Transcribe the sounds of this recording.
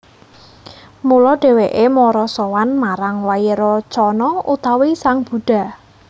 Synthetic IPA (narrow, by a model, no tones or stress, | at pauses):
mulɔɖ̥e̤weʔemɔɾɔsɔwanmaɾaŋwajeɾɔt͡ʃɔnɔut̪awisaŋb̥ṳɖ̥a̤